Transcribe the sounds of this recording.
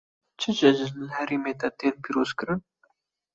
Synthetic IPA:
t͡ʃʰɨd͡ʒɛʒɪzlhɛɾeːmeːt̪ɛt̪eːnpiːɾoːzkɨɾɨn

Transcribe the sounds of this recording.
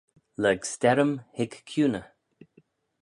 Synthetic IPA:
ləɡstɛɾəmhɪɡkʰːjuːnə

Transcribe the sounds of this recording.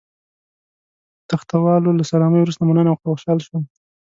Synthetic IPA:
t̪axt̪awɑlolasalɑmajwɾust̪amanənawxxoʃɑlʃo

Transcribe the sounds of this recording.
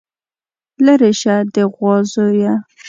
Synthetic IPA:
laɾeʃad̪əɣwɑzoja

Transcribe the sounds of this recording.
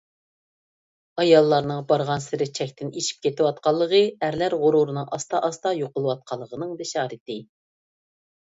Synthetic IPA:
ɑjɑlˠːɑɾnɨŋbɑɾʁɑnsɪɾɪt͡ʃʰɛkʲt̪ɪneʃi̥p̚kʲʰet̪ɪwɑt̪̚qɑlˠːəʁəæɾlæɾʁʊɾuɾɨnɨŋʔɑst̪ɑʔɑst̪ɑjoqəlˠɨwɑt̪̚qʰɑlˠːəʁənɨŋd̪eʃɑːɾɨt̪ɪ

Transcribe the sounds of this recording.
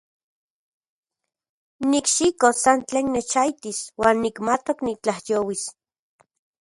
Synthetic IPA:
nikʃikosant͡ɬeːnːet͡ʃajt̪iswaːnːikmat̪oknit͡ɬahjoːwis

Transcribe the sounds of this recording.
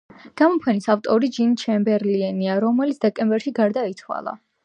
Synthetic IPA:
ɡ̥amɔpʰɛnisaft̪ʼɔɾid͡ʒint͡ʃʰɛmbɛɾliɛniaɾɔmɛlit̪sʰd̪ɛkʼɛmbɛɾʃiɡaɾd̪ait̪ʰwa̰lˠa̰

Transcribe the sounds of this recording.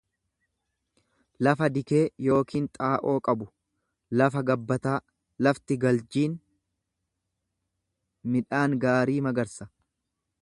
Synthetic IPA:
lɐfɐd̪ɪke̞ːjo̞ːkiːnt̪ʼaːʔo̞ːkʼɐbʊ | lɐfɐɡɐbːɐt̪aː | lɐft̪ɪɡɐld͡ʒiːn | mɪᶑaːŋɡaːɾiːmɐɡɐɾsɐ

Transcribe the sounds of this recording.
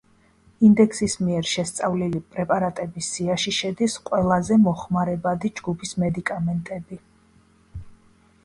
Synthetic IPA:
ind̪ɛksismiɛɾʃɛst̪sʼavlilipʼɾɛpʼaɾat̪ʼɛbisːiaʃiʃɛd̪isqʼwɛlˠazɛmɔχmaɾɛbad̪id͡ʒɡupʰismɛd̪ikʼamɛnt̪ʼɛbi

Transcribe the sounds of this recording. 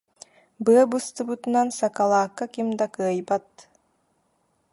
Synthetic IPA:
bɯɐbɯst̪ɯbut̪unansakalˠaːkːakimd̪akɯɐjbat̪̚

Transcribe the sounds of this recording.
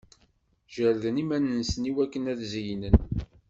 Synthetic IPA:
ʒæɾðənimænənsəniwækːənæðzijnən

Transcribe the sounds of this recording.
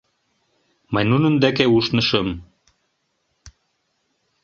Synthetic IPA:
manunŭnd̪ækæuʃnɤ̆ʃɤm

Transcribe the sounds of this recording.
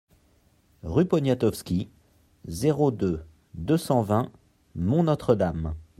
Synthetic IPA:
ʁypɔnjat̪ɔfskʲi | zeʁod̪ø | d̪øsɑ̃vɛ̃ | mɔ̃nɔt̪χəd̪am

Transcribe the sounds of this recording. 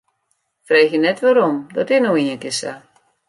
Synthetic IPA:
frejxjənɛtʋaɾɔmdɔtɪnowiənkɪsa̰

